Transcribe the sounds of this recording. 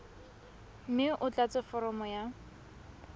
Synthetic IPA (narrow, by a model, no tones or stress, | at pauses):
mɪʔʊt͡ɬʼat͡sʼɪfɔɾɔmɔja